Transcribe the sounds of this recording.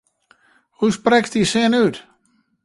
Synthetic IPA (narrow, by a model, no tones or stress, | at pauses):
husprɛktisɪnyt